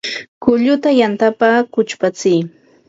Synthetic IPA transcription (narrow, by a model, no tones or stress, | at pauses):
kʊʎʊt̪ajant̪apakʊt͡ʃpat͡sɪj